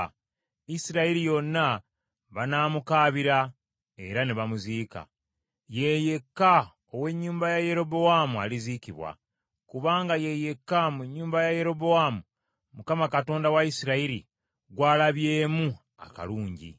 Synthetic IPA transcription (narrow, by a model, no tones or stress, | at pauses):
isiɾaiɾijo̞nːa | βanaːmukaːβiɾa | e̞̰ɾaneβamuziːka̰ | je̞je̞kːa | owe̞ɲːuːmbajaje̞ɾo̞bo̞wamualiziciβwa̰ | kuβaːŋɡaje̞je̞kːamuɲːuːmbajaje̞ɾo̞bo̞waːmu | mukamakato̞ːndawaisiɾaiɾḭ | ɡwaːlaβjeːmu | a̰ka̰luːɲɟḭ